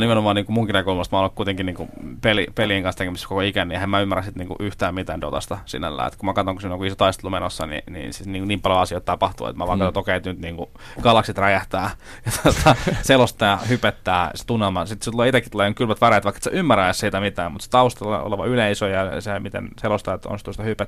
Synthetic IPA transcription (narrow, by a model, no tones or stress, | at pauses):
nimenomɑːniːŋkumuŋkinekoulmɑst̪mɑolːkuit̪eŋkiniːŋkṵpelipeliːŋkɑnst̪ekemisːkokoikænːiehemæymːærænsit̪niːŋkṵʔyht̪æːmmit̪æːndo̰t̪ɑ̰st̪ɑsḭnæ̰lːæ̰ːḛt̪kummækɑt̪oŋkusinjoŋkuisot̪ɑist̪elumenosːɑ̰nḭnḭsiniːkuniːmpɑljoɑsiot̪ɑpɑht̪ṵḛt̪mæʋɑiŋkːɑt̪ot̪okæit̪ːynt̪niːŋku | kɑlɑksit̪ræjæht̪æː | jɑt̪ot̪ʰɑselost̪ːɑjɑhypet̪ːæːse̥t̪unɑmɑsit̪set̪uleːit̪ekːit̪ulejoŋkylʋæt̪ʋæræet̪ʋɑikːe̥t̪seʔymːæɾæessiːt̪æmit̪æːmmut̪se̥t̪ɑust̪elɑ̰o̰leʋɑ̰yleisojɑsemit̪ḛnselost̪ɑjt̪ːo̰nst̪ust̪ɑhypæt̪ː